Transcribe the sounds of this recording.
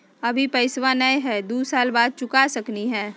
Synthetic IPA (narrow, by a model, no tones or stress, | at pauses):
ɐbʱipɐɪsʋanəjɦɛd̪uːsaːlbaːd̪̚t͡ʃʊkasɐkniɦɛ̃ː